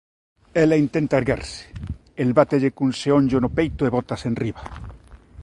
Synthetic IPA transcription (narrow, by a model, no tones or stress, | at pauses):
elaint̪ent̪aeɾɣa̰ɾse̥ | elβat̪eʝekunseõɲʝonopejt̪oeβot̪asenriβa